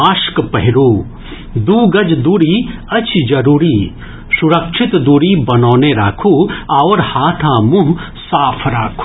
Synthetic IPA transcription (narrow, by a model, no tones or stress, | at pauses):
aːʃkpɐɦɪɾuː | d̪uːɡɐd͡ʒd̪uːɾiɐt͡ʃʰid͡ʒɐɾuːɾiː | suɾɐkʃɪt̪d̪uːɾibɐnoːneɾaːkʰuaːɾhaːt̪ʰãːmʊ̃ɦ | saːpʰɾaːkʰː